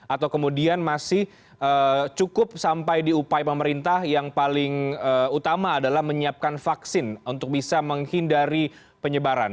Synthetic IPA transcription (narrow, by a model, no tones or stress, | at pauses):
at̪awkəmudianmasɪh | ʔət͡ʃukʊp̚sampajdiupajpəməɾint̪ahjaŋpalɪŋəut̪amaːdalahməɲiap̚kanfaksɪnunt̪ʊk̚bisaməŋhindaɾi | pəɲəbaɾa̰n